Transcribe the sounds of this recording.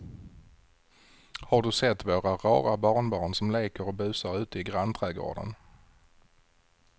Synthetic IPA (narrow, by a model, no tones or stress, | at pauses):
haɖɵsɛt̪ːvoːɾaɾɑːɾabɑːɳbɑːnsɔmleːkəɾɔbʉ̟ːsaɾʉ̟ːt̪əɪɡɾant̪ʰɾæːɡo̰ːɖə̰n